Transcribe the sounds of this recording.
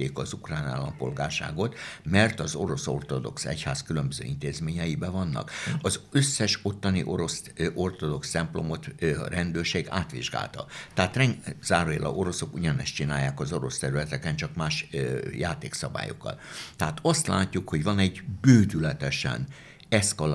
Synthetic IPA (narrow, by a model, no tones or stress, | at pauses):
eːkɒzukraːna̰ːlːɒmpo̞lɡaːrʃa̰ːɡo̞t̪mɛrt̪ɒzo̞ɾo̞so̞̰rt̪o̞d̪o̞̰ksɛ̰chaːskylømbøzø̰ːint̪eːzmeːɲɛjibɛvɒnːɒ̰kɒzøsːɛʃo̞t̪ːɒnḭʔo̞ɾo̞s | ʔo̞rt̪od̪o̞kst̪ɛmplo̞mo̞t̪rɛnd̪øːrʃeːɡa̰ːt̪ʋiʒɡa̰ːlt̪ɒ̰t̪ɛɦaːt̪rɛŋz̥aːɾojɛlʔɒ̰ʔo̞ɾo̞so̞kuɟɒnɛst͡ʃinaːjːaːkɒzo̞ɾo̞st̪ɛɾylɛt̪ɛkɛnt͡ʃɒkmaːʃjaːt̪eːksɒba̰ːjo̰kːɒ̰lt̪ɛɦaːt̪ɒst̪la̰ːcːukho̞ɟvɒnɛɟbøːd̪ylɛt̪ɛʃɛ̰n | ɛskɒl